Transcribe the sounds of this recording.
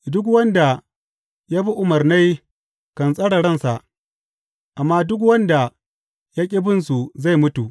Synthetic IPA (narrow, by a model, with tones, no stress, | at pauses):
dʊ˦k̬wɐ˦nda˨ | jaː˦bi˦ʔʊ˦mɐ˨rna˦j | kɐ˨nsʼɐ˦ɽa˨ɽɐ˦˨nsa˨ʔ | ʔa˨mːaː˦dʊ˦k̬wɐ˦nda˨ | ja˦kʲʼɪ˦bɪ˦nsu˨za˦˨jmʊ˦tu˨ʔ